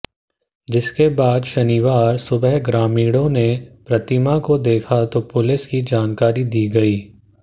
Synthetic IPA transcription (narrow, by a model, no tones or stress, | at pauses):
d͡ʒɪskebaːd̪ʃɐniʋaːɾsʊbəɦɡɾaːmiːɽõnepɾɐt̪ɪmakod̪eːkʰat̪opʊlɪskid͡ʒaːnkaːɾid̪iːɡɐiː